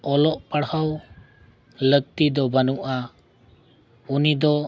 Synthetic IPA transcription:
ɔlɔʔpaɽhaw | lək̚t̪id̪ɔbanuʔa | unid̪ɔ

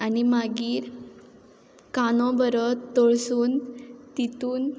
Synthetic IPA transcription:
animaɡiːɾ | kanɔ̃bəɾət̪ɔɭsuːnt̪it̪uːn

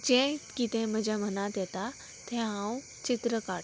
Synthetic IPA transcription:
d͡ʑɛ̃kit̪ɛ̃m̤əd͡ʑam̤ənat̪jɛt̪a | t̪ʰɛ̃ɦãũ | t͡ɕit̪ɾəkaʈ

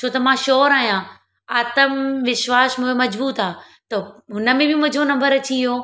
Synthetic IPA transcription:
t͡ɕʰoːt̪ɐmãːʃɔːɾaːɦijã | aːt̪əmʋɪʃʋaːʃmʊ̃ɦemɐd͡ʑbuːt̪aː | t̪ɐɦʊnəmẽbɪmʊ̃ːd͡ʑʱonɐ̃mbəɾɐt͡ɕʰiiɦoː

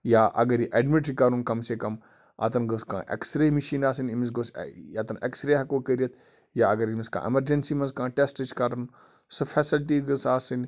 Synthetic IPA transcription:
jaːʔɐ̰ɡɐɾjiʔeɖmiʈɾikɐɾunkɐmseːkɐm | ɐ̰t̪ɐnɡɐskã̰ːʔɐ̰ksɾeːmiʃiːnaːsinimis̬ɡosɐt̪ɐnḛksɾeɦɐkoːkɐɾijɐt̪ʰ | jaːɐɡɐɾimiskã̰ːʔḛmɐɾd͡ʒɐnsiːmɐnzkãːʈesʈɐt͡ʃkɐɾɐn | sɨfʰɛːsilʈiːɡɐsaːsin

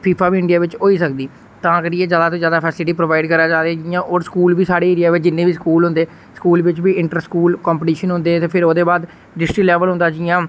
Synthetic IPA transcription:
pʰiːpʰaːʋiːɪ̃ɳɖijaːʋɪt͡ʃɦoːiːsək̚d̪iː | t̪ãːkəɖiːeːd͡ʒaːd̪aːt̪õːzjaːd̪aːpʰɛːslɪʈiːpɾoːʋaːɪɖkəɾaːd͡ʒaːɾeːd͡ʒɪjãːʔɔːɾskuːlʋiːsaːɽeːeːɾɪjaːʋɪt͡ʃd͡ʒɪnːẽːbiːskuːlɦʊ̃nd̪eː | skuːlʋɪt͡ʃbiːɪɳʈəɾskuːlkɔːmpʈiːʃənɦʊ̃nd̪eːt̪eːpʰɪɾoːd̪eːbaːd̪ | ɖɪsʈiklɛːʋəlɦʊ̃nd̪aːd͡ʒɪjãː

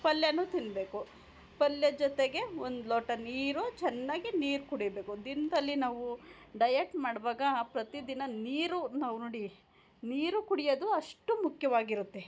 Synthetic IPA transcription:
pɐljɐnut̪inbe̞ːku | pɐljɐd͡ʒɔt̪eɡe̞ond̪loːʈɐniːɾut͡ʃɛnːaːɡiniːɾukuɽijɐbe̞ːkud̪inɐd̪ɐlːinaːʋu | ɖɐjeʈmaːɽʋaːɡɐpɾɐt̪id̪inɐniːɾunaːʋunoːɽi | niːɾukuɽijod̪uɐʂʈumukʰjɐʋaːɡiɾut̪ːe

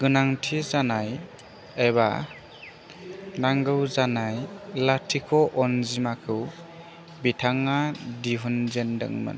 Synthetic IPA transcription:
ɡ̥ɯnaŋtʰizanaj | eba̰ | naŋɡɯwzanajlatʰikʰɔʔɔnzimakʰɯw | bitʰaŋadiɦɔnzendɯ̰ŋmɯ̰n

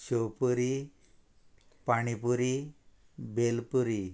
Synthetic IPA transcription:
ɕopuɾi | paɽ̃ipuɾi | belpuɾi

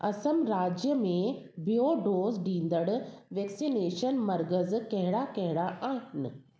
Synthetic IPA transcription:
ɐsəmɾaːd͡ʑjəmẽ | bijoːɖoːzɖĩːnd̪əɽʋɛːksineːʃənmɐɾɡəzkɐɦɪɽakɐɦɪɽaʔaːɦɪnɪ̆

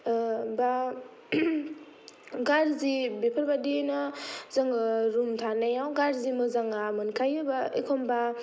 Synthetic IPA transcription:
ba | ɡaɾzibepʰəɾbadinazaŋɾumtʰanejawɡaɾzimɯzaŋamɯnkʰajɯbaḛkʰɔmba

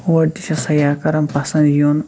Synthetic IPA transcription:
wɐd̪iʃɐsɐjaːkɐɾɐmpɐsɐ̃nd̪joːn

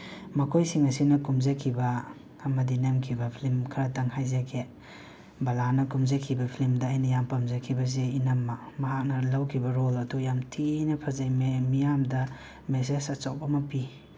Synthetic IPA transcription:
mɐkʰojsiŋɐsinɐkumzakʰibɐː | mɐdinemkʰibɐpʰilimkʰɐɾɐtɐŋhajzakʰe | bɐlanɐkumzakʰibɐpʰilimdɐːjnɐjampɐmzakʰibɐs̬einɐmːɐmɐɦak̚nɐlawkʰibɐɾolɐdujamtʰinɐpʰɐzajmemijamdɐ | mes̬esɐt͡ʃaw̚bɐmɐpi

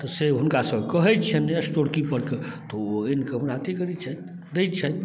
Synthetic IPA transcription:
t̪ɔseɦunkasəbkəɦɛt̪̚t͡ʃʰənəsʈoɽkipəɽket̪ooenkəmnat̪ikəɾit͡ʃʰət̪ | d̪ejt̪̚t͡ʃʰət̪̚

